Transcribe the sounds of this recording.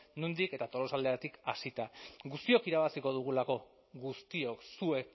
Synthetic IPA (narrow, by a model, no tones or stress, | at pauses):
nund̪ike̞t̪at̪o̞lo̞sald̪eat̪ikasit̪aɡust̪io̞kiɾaβ̞asiko̞ð̞uɣ̞ulako̞ | ɣust̪io̞ksue̞k